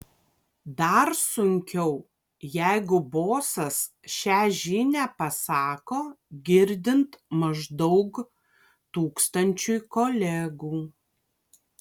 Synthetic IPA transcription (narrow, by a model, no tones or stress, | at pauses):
d̪ɐɾsʊŋʲkʲɛʊ | jæɪɡʊboːsɐs | ʃʲæːʒʲiːnʲæpɐsɑːkoː | ɡʲɪɾʲd̪ʲɪnt̪mɐʒd̪ɔʊk | t̪uːkst̪ɐnʲt͡ʃʲʊjkoːlʲæːɡuː